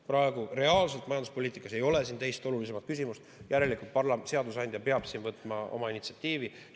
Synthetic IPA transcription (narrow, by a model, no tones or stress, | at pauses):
pɾɑe̞ɡ̥uɾe̞ɑːlselt̪mɑjɑnd̪uspo̞lʲiːt̪ikːˑɑse̞jo̞le̞s̬iːnt̪e̞jst̪o̞lulis̬e̞mɑt̪̚kys̬imust̪jʔæɾe̞likˑult̪̚pɑrlɑse̞ɑd̪us̬ɑnʲd̪̥ʲjɑpe̞ɑb̥siːnvɤt̪ːˑmɑo̞̰mɑinit̪si̥ɑt̪ʲːˑiːvi